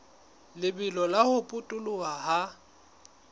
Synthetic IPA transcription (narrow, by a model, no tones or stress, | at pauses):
lɪbɪlɔlahʊpʼʊtʼʊlʊaha